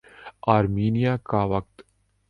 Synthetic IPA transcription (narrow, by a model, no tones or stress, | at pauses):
aːɾmiːnijaːkaʋɐk̚t̪